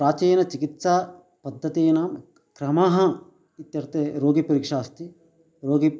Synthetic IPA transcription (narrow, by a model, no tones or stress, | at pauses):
pɾaːt͡ʃeːjnɐt͡ʃikit̪sa | pɐd̪ʱːɐt̪eːnaːm | kɾɐmɐɦɐ | it̪jɐɾt̪eɾoːɡipɐɾikʂaːst̪i | ɾoːɡi